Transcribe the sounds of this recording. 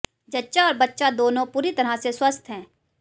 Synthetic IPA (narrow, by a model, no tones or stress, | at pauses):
d͡ʒɐtːʃaɔːɾbɐtːʃad̪oːnõpuːɾit̪ɐɾaseswəst̪ʰɦɛ̃ː